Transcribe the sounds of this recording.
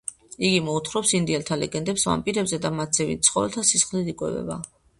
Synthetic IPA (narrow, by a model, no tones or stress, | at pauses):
iɡimɔut̪ʰχɾɔpsind̪iɛlt̪ʰalɛ̰ɡɛnd̪ɛpsva̰mpʼiɾɛbzɛd̪amat̪sʰɛvḭt̪̚sʰχɔvɛlt̪ʰasisχliikʼwɛ̰vɛ̰ba̰